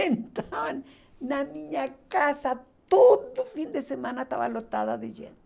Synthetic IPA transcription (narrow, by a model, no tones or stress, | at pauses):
ent̪aaβan | namĩɲakasatt̪oðofind̪esemãnat̪a̰βa̰lot̪aðaðeʒḛn